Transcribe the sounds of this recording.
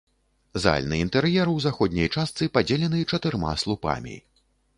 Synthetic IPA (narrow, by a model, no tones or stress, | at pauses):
za̰lʲnɨint̪ɛɾjɛɾuwzaxɔd̪ʲnʲɐjt͡ʂast̪sɨpad͡zʲɛlʲɛnɨt͡ʂɐt̪ɨrma̰slˠupa̰mʲḭ